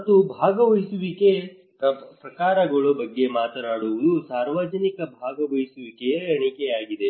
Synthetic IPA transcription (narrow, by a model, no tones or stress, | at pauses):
ɐt̪ːubʱaːɡɐʋɐjisuʋike | pɾɐkaːɾɐɡɐɭɐbɐɡːe̞maːt̪ɐnaːɽuʋɐd̪usaːɾʋad͡ʒɐnikɐbʱaːɡɐʋɐjisuʋikejɐɳikeaːɡid̪e̞